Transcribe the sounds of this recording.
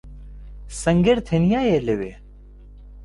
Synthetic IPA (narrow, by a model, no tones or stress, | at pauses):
sɐŋɡeɾt̪ʰenijaːjeleʋḛː